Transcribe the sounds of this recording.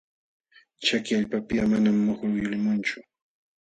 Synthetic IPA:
t͡ʃakɪaʎpapɪamanamːoχɾʊjʊlɪmʊnt͡ʃʊ

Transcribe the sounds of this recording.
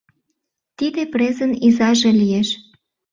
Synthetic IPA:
t̪id̪eprezənizɑʒelijeʃ

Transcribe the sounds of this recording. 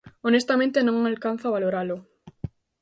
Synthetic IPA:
onest̪amẽnt̪enõŋalkan̟θaβaloɾalo

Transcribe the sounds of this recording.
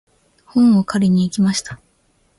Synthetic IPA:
hõmːokʰaɾʲiɲ̟iːkʲimaɕi̥t̪ḁ

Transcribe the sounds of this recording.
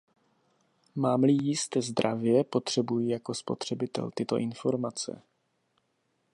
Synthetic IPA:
maːmlɪjɪst̪ɛːzd̪ɾavjɛpo̞t̪r̝̥ɛbujijako̞spo̞̰t̪r̝̥ɛbɪt̪ɛ̰lt̪ɪt̪o̞̰ʔɪnfo̞ɾmat͡sɛ̰

